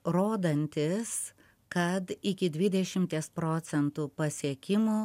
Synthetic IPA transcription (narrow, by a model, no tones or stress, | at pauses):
ɾoːd̪ɐnʲt̪ʲɪs | kɐt̪ɪkʲɪd̪ʲʋʲɪd̪ʲɛʃʲɪmʲt̪ʲeːspɾoːt̪sʲɛnt̪upɐsʲiɛkʲɪmuː